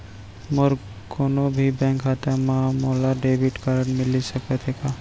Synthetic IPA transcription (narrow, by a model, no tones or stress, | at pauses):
mɔɾ | koːnobʱibɛ̃ŋkɦat̪amãmoːlaɖeːbɪʈkaɾəɳmɪlisəkət̪ʰeka